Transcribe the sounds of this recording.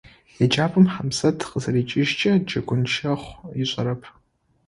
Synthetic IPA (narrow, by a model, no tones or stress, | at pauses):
jɛd͡ʒʼaːpʼɨmħamsɐtʰqəzɐɾiːt͡ʃʼɪʒt͡ʃʼɐd͡ʒʼɐɡʷʊnʃɐχʷjɪɕʷʼɐɾɐpʰ